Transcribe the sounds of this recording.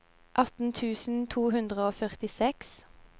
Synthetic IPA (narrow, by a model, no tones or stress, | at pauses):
ʔɑt̪n̩t̪ʰʉːsn̩t̪ʰuːhʉnd̪ʁəoːfœʁt̪ɪsɛks